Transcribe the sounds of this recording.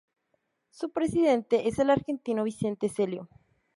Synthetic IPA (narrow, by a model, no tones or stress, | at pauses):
supɾe̞siðe̞nt̪e̞ʔese̞laɾxe̞nt̪inoβ̞ise̞nt̪e̞se̞ljo